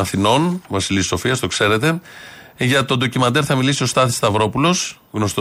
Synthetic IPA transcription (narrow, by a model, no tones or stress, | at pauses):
ɐθino̞nvɐsiliso̞fiɐst̪okse̞ɾe̞t̪e̞ | ʝɐt̪o̞nd̪o̞cimɐt̪e̞ɾθɐmilisio̞st̪ɐθist̪ɐvɾo̞pulo̞s | ɣno̞st̪o